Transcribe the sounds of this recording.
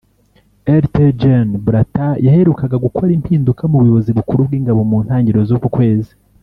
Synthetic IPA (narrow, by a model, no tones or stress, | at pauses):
eɾted͡ʒenbɾatajahe̞ɾukaɡaɡukʰo̞ɾimpiːndukamuβujoβo̞ziβukuɾubɡiːŋɡaβo̞muːn̥haːɲɟiɾo̞zukukwe̞ːzi